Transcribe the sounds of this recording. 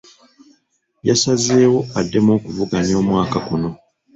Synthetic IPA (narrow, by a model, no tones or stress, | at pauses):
jasaze̞ːwo̞adːe̞mo̞ːkuvuɡaɲo̞ːmwaːkakuno̞